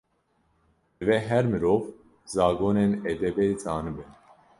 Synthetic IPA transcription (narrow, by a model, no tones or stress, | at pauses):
vɛɦɛɾmɨɾɔv | zɑːɡonɛnɛd̪ɛbɛit͡sʼɑːnɨbɛn